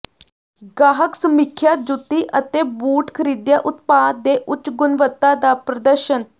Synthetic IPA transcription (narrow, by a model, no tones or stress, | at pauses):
ɡaːɦəksəmikʰːjat̪̚d͡ʒut̪ːiʔət̪ebuːʈkʰəɾid̪jaʔʊt̪paːd̪eʔʊt͡ʃɡʊnʋət̪ːad̪apɾəd̪əɾʃən